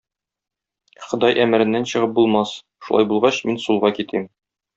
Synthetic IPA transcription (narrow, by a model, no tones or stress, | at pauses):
χɤ̆d̪ɑjʔæmɘ̆ɾɘ̆nːænɕɤ̆ʁɤp̚bulˠmɑs | ʃulˠɑ̰jbulˠʁɑɕminsulˠʁɑkit̪im